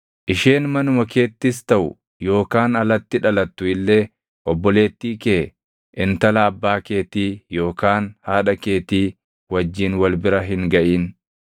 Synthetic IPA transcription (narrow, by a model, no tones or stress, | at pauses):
ʔɪʃeːnmɐnʊmɐkʰe̞ːt̪ːɪs̬t̪ɐʔʊ̰ | jo̞ːkaːnɐlɐt̪ːɪᶑɐlɐt̪ːʊɪlːe̞ː | ʔɔbːɔle̞ːt̪ːiːkeː | ʔɪnt̪ɐlaːbːaːke̞ːt̪iːjo̞ːkaːnhaːᶑɐke̞ːt̪iː | wɐd͡ʒːiːnwɐlbɪɾɐɦɪŋɡɐʔiːn